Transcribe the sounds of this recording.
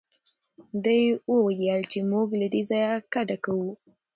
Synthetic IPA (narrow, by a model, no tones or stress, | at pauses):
d̪əjwəwajəlt͡ʃemuɡlad̪ezɑjakaɖakawu